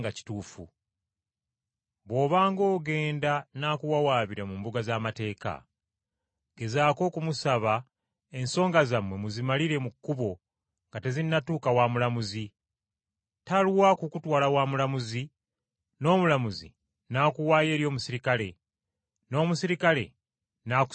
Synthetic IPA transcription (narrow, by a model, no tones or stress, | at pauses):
ɡaci̥tuːfṵ | βo̞ːβaːŋɡo̞ːɡe̞ːndanakuwawaːβiɾamumbuɡazaːmate̞ːka̰ | ɡ̥e̞zaːko̞ːkumusaβa | e̞nso̞ːŋɡazamwe̞muzimaliɾe̞mukːuβo̞ | ŋɡate̞zinːatuːkawaːmulamuzi | taluwakukutwaːlawaːmulamuzi | no̞ːmulamuzḭ | naːkuwaːje̞ːɾjo̞ːmusiɾikale̞ | no̞ːmusiɾikale̞̰ | nak